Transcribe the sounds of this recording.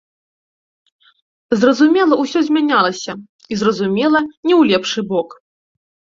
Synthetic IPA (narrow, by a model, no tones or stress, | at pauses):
zrɐzumʲɛlˠɐwsʲɔzʲmʲanʲalˠɐsʲɐ | izrɐzumʲɛlˠɐnʲɛwlʲɛpʂɨbɔk